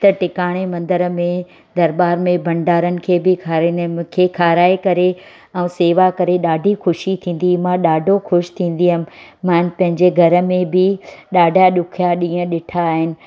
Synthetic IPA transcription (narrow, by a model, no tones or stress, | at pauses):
t̪ɐʈɪkaːɽ̃emɐ̃nd̪əɾəmẽ | d̪ɐɾbaːɾmẽbʱɐ̃ɳɖaːɾənɪ̆kʰeːbɪkʰaɾkʰeːkʰaːɾaːekɐɾe | ɛ̃seːʋakɐɾeɗaːɖʱixʊʃit̪ʰĩːn̆d̪imãɗaːɖʱoxʊʃt̪ʰĩːn̆d̪iɦəmɪ̆mãːnpɐ̃ɦɪ̃ɲd͡ʑeɡʱɐɾə̆mẽbɪɗaːɖʱaɗʊkʰijaɗĩːə̃ɗɪʈʰaːɦɪnɪ̆